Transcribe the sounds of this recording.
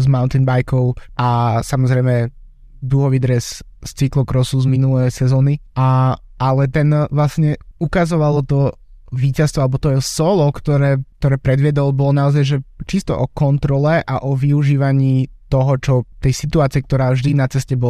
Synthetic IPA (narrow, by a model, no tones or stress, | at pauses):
zmaʊnt̪inbajkɔʊʔasamɔzɾɛjmɛ | d̪uɦɔʋid̪ɾɛsst͡siklɔkɾɔsuzminulɛjsɛzɔːnia | alɛt̪ɛnʋlasɲɛukazɔʋalɔt̪ɔ | ʋiːcast̪ʋɔalɛbɔt̪ɔjɛsɔlɔkt̪ɔɾɛːk̚t̪ɔɾɛːpɾɛd̪ʋɪɛd̪ɔlbɔlɔnaɔzajʒɛt͡ʃist̪ɔ̰ʔɔkɔnt̪ɾɔlɛʔaʔɔʋiuʒiːʋaɲiːt̪ɔɦɔt͡ʃɔt̪ɛjsit̪uaːt͡siɪɛk̚t̪ɔɾaːvʒd̪inat͡sɛscɛbɔ